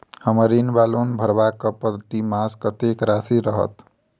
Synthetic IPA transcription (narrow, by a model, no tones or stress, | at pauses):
həməɾinbalonbʱəɾbakəpəd̪ʱt̪imaskət̪ekɾasiɾəɦə̰t̪